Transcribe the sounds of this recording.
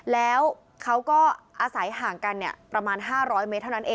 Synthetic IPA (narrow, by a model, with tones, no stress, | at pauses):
lɛː˦˥w | kʰa˦˥wkɔː˥˩ʔaː˧sa˩˦jɦaː˩˦ŋka˧nːi˥˩ɐpɾa˧maː˧nɦaː˥˩ɾɔː˦˥jme˦˥t̪ʰːa˥˩na˦˥nʔeː˧